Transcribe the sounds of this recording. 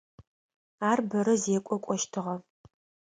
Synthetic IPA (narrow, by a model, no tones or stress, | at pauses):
aːrbɐɾɐzɛːkʷʼɔkʷʼɔʃtʰɨʁɐ